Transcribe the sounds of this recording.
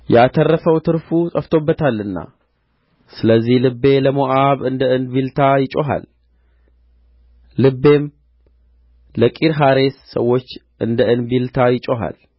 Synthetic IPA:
jɛat̪ʰərːəfəwt̪ʰɨɾfusʼəft̪ʰo̞bːət̪ʰalːɨnːa̰ | sɨləzːihlɨbːe̞ləmoʔaβɨnd̪əʔɨnbilt̪ʰajɪt͡ʃʼoɦa̰l | ɨbːe̞m | ləkʼiɾɦaɾe̞sːəwːo̞t͡ʃː | ʔɨnd̪əʔɨnbilt̪ʰajɪt͡ʃʼoɦa̰l

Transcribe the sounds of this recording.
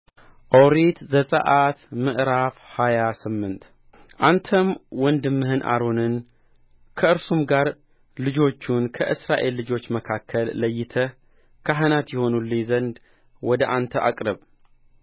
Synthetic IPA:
ʔowɾit̪zəsʼə̰ʔat̪mɨʔɾafhajasɨmːɨnt̪ | ʔant̪ʰəmwɔnd̪ɨmːɨhɨnʔa̰ɾonɨn | kʰəɨɾsumɡaɾ | lɨd͡ʒo̞t͡ʃːunkʰə̰ʔɨsɾaʔe̞lːɨd͡ʒo̞t͡ʃːməkʰakʰːəlːəjːɪt̪ʰə | kʰaɦɨnat̪jɛho̞nulːiɲzənd̪ | wɔd̪əʔant̪ʰəʔa̰kʼɾəβ

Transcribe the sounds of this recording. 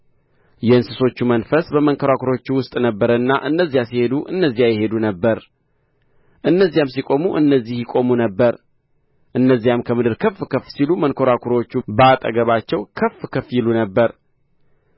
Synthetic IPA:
jɛɨnsɨso̞t͡ʃːumənfəsbəməŋkʰoɾakʰuɾo̞t͡ʃːuwʊst̪ʼnəbːəɾəɨnːaʔɨnːəzːijasihe̞d̪uʔɨ̰nːəzːijajɛhe̞d̪unəbːəɾ | ʔɨnːəzːijamsikʼo̞muʔɨnːəzːihjɪkʼo̞munəbːəɾ | ʔɨnːəzːijamkʰəmɨd̪ɨɾkʰəfːkʰəfsilumənkʰoɾakʰuɾot͡ʃːubəat̪ʼə̰ɡəβat͡ʃːɛwkʰəfkʰəfjɪlunəbːəɾ

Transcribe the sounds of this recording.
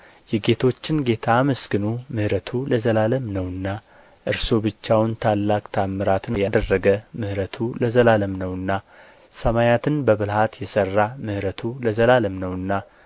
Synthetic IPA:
jɛɡe̞t̪ʰo̞t͡ʃːɪnɡe̞t̪ʰaməsɡɨnumɨhɾət̪ʰuləzəlaləmnəwɨnːa | ʔɨɾso̞bɨt͡ʃːawnt̪ʰalːakʼt̪ʰamːɨɾat̪nəjad̪ərːəɡəmɨhɾət̪ʰuləzəlaləmnəwɨnːa | səmajat̪ʰɨnbəβɨlhat̪jɛsərːamɨhɾət̪ʰuləzəlaləmnəwɨnːa

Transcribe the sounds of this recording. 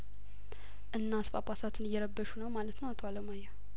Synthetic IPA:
ʔɨnːasfa̰pʼasat̪ʰɨnɨjːɛɾəbːəʃunəwmalət̪nəwat̪ʰoaləmaja

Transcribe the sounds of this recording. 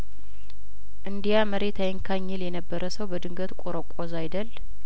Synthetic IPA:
ʔɨnd̪ijaməɾet̪ʰajɪŋkʰaɲːɛljɛnəbːəɾəsəwbəd̪ɨŋɡət̪kʷʼoɾəkʷʼozajd̪əl

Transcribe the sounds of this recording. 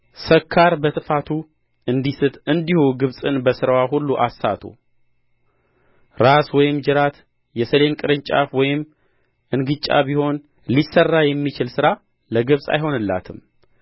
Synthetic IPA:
səkʰːaɾbət̪ʰʼɨfat̪ʰu | ɨnd̪isɨt̪ɨnd̪ihuɡɨβsʼɨnbəsɨɾawaɦulːuʔasːat̪ʰṵ | ɾaswɔjɪmd͡ʒɨɾat̪ | jɛsəle̞nkʼɨɾɨɲt͡ʃʼa̰fwɔjɪm | ʔɨnɡɨt͡ʃʼa̰biho̞n | lisːərːajɛmːit͡ʃɪlsɨɾa | ləɡɨβsʼa̰jɦo̞nɨlːa̰t̪ʰɨm

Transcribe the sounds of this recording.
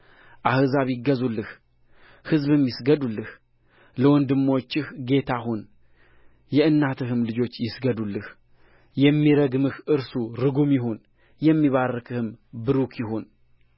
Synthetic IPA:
ʔahɨzaβjɪɡːəzulːɨh | hɨzβɨmjɪsɡəd̪ulːɨh | ləwɔnd̪ɨmːwot͡ʃːɪhɡe̞t̪ʰaɦun | jɛɨnːat̪ʰɨɦɨmlɨd͡ʒo̞t͡ʃːjɪsɡəd̪ulːɨh | jɛmːiɾəɡmɨhʔɨɾsuɾɨɡumjɪɦo̞n | jɛmːiβarːɨkʰɨhɨmbɨɾukʰjɪɦo̞n

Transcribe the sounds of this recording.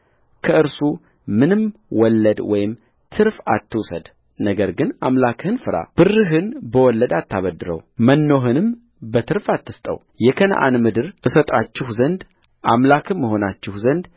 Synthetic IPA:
kʰəɨɾsu | mɨnɨmwɔlːəd̪wɔjɪm | t̪ʰɨɾfat̪ːɨwsəd̪ | nəɡəɾɡɨnamlakʰhɨnfɨɾa̰b̥ɨrːɨɦɨnbəwɔlːəd̪at̪ːaβəd̪ːɨɾə̰wmənːo̞ɦɨnɨm | bət̪ʰɨɾfat̪ːɨst̪ʼə̰w | jɛkʰənə̰ʔa̰nmɨd̪ɨɾʔɨsət̪ʼat͡ʃːɪhzənd̪ | ʔamlakʰɨnməɦo̞nat͡ʃːɪhzənd̪

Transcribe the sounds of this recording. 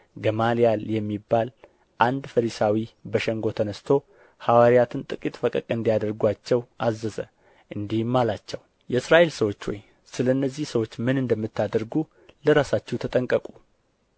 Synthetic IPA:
ɡəmalijaljɛmːibːal | ʔand̪fəɾisawibəʃɛŋɡo̞t̪ʰənəst̪ʰo̞ | hawaɾijat̪ʰɨnt̪ʼɨkʼit̪ʼfəkʼəkʼɨnd̪ijad̪əɾɡwat͡ʃːɛwʔazːəzə | ʔɨnd̪ihmːalat͡ʃːɛw | jɛɨsɾaʔe̞lsəwo̞t͡ʃːwɔj | sɨləɨnːəzːihsəwo̞t͡ʃːmɨnɨnd̪əmːɨt̪ːad̪əɾɡu | ləɾasat͡ʃːɛwt̪ʰət̪ʼəŋkʼəkʼu

